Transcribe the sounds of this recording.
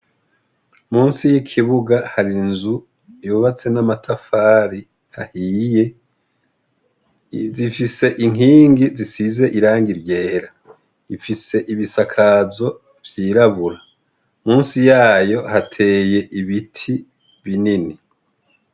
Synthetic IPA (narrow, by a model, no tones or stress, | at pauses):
muːnsijikʰiβuɡahaɾinzu | juːβat͡se̞namatʰafaːɾi | hahije̞ | zifise̞ʔiŋɦiːŋɡizisize̞ʔiɾaːŋɡiɾje̞ːɾa | ifise̞ʔiβisakʰazo̞ | vjiːɾaβuɾa | muːnsijaːjo̞hatʰe̞ːje̞ʔiβitʰi | βinini